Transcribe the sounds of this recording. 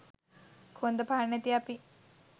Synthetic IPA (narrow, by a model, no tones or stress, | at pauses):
kʰond̪əpanet̪iapi